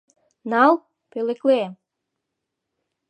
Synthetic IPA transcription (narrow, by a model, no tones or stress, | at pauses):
nɑl | pelekle